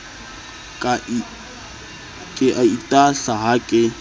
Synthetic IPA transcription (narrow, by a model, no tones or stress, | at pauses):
kʼa | kʼɪʔaitʼaɬaɦakʼɪ